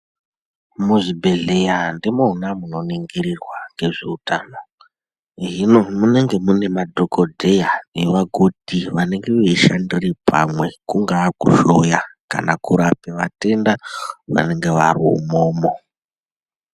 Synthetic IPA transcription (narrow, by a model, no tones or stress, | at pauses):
muʐibʱe̞ɮe̞jandimounamuno̞niŋɡirirwaŋɡe̞ʐe̞utaːno̞ | ʐino̞mune̞ŋɡe̞mune̞madʱokodʱe̞jane̞ʋaɡʱod̥ʱiʋane̞ŋɡeʋeiʃandiripa̰mwe̞kuŋɡakṵʃojaka̰nakuɾapeʋate̞ndaʋa̰ne̞ŋɡe̞ʋariṵmoːmo̞